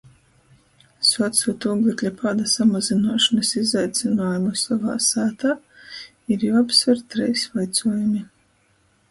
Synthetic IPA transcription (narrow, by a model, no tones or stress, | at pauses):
sɔt̪suːt̪uɡlˠiklʲapaːd̪asamazinaɔʃɔnɐsizajt̪sʲinaːjumusava̰ːsæːt̪aː | iɾjupsvɛɾt̪ːɾɛjsvajt̪suɔjumi